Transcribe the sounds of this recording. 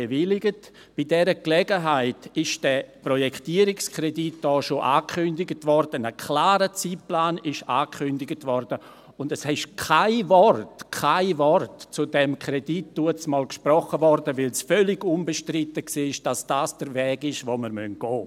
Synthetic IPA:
evɪlɪɡət | b̥idɛɾəklɛɡəɦaɪtɪʃd̥ɛprɔjɛktiːəɾɪkskʰredit̚d̥ɔːʃoʔaːkʰχʏndɪɡətvɔrd̥ənəkʰlaːɾət͡siːtplaːnɪʃaːkʰχʏndɪɡətvɔrd̥ə | ʊndɛshɛʃkʰaɪvɔrtkʰaɪvɔrtt͡sudɛmkʰredit̚d̥uət͡smɔːlkʃprɔχəvɔɾdəvɪlsfœlɪɡʊnbeʃtrɪtəksiːɪʃd̥asd̥aːsd̥əɾvɛːɡɪʃvoməɾmœnɡ̥ɔː

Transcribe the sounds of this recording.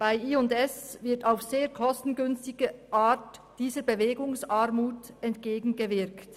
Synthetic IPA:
b̥aɪiːʊntɛsvɪɐtaʊfz̥eːɐkʰɔstn̩ɡʏnstɪɡəʔaːtd̥iːzəbəveːɡʊŋsaʁmuːtɛntɡ̥eːɡŋ̩ɡəvɪʁkt

